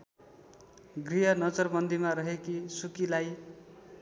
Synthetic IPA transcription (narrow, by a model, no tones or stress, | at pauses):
ɡriɦʌnʌd͡zʌrbʌnd̪imaɾʌɦekisukilaj